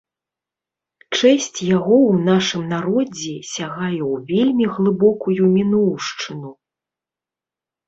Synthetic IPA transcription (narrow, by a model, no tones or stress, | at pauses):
t͡ʂɛsʲt͡sʲjaɣɔwn̪aʂɨmnaɾɔd͡zʲɛsʲaɣajɛwvʲelʲmʲiɣlˠɨbɔkujumʲinɔwʂt͡ʂɨnu